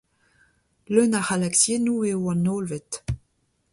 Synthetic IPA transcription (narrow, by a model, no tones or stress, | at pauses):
lønaʁalaksjenuːewɑ̃noːlvet̪